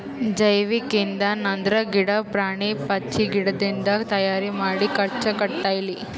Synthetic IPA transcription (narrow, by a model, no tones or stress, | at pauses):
d͡ʒɐjʋikind̪ɐnɐnd̪ɾɐɡiɽɐpɾaːɳipɐt͡ʃːiɡiɽɐd̪ind̪ɐt̪ɐjaːɾimaːɽikɐɾt͡ʃɐkɐɽt̪aːjɐli